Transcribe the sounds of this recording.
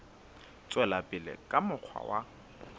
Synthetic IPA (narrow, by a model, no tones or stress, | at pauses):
t͡sʼwɛlapʼɪlɪ̰kʼamʊq͡χʰwa̰wa